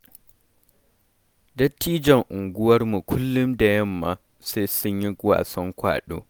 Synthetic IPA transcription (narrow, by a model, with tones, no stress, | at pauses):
dɐ˦tːiː˦d͡ʒɐ˨ŋʔʊ˨ŋɡʷʊ˦wɐ˦rmu˨kʷʰʊ˦lːʊ˦mda˨jɐ˦mːa˨ | sa˦jsʊ˦ɲji˦ɡwa̰ː˨sɔ˦ŋkʷa̰ː˨ɗo̰ː˦